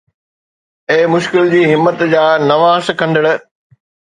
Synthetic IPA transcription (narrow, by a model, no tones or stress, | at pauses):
eːmʊʃkɪld͡ʑiːɦɪmːət̪d͡ʑaːnɐʋaːskʰɐ̃nd̪əɽʊ̆